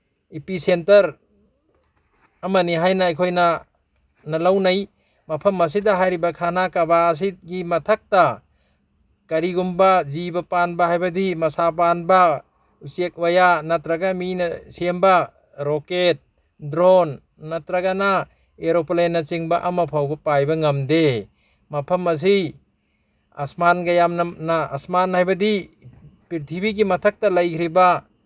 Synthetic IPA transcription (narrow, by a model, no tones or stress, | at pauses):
ipisentɐɾ | ɐmaniɦajnaːjkʰojna | nalawnaj | mɐpʰɐmːɐs̬idaɦajɾibakʰanakabaːs̬it̚ɡimɐtʰak̚ta | kɐɾiɡumbazibapanbahajbɐdimɐsap̬anba | usiek̚wajanatɾaɡaminasemba | ɾoket̚ | dɾonː | atɾaɡana | eɾoplenːɐt͡ʃiŋbaʔamapʰawɡɐpajbɐŋɐmde | mɐpʰɐmɐs̬i | a̰smanɡajamnaa̰smanhajbɐdi | piɾtʰibiɡimɐtʰak̚tɐlajkʰɾiba